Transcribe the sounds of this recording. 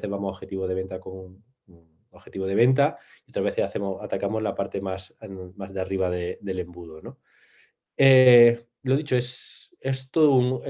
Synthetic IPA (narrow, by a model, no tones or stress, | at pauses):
θezβamoaoxe̞t̪iβoðee̞nt̪akoŋu | oxe̞t̪iβoð̞e̞β̞e̞nt̪̬aiot̪ɾazβe̞θesaθemoat̪akamozlapaɾt̪e̞masmazðeariβ̞aðeðe̞le̞mbuð̞ono | e | loð̞it͡ʃoes | est̪oðouŋe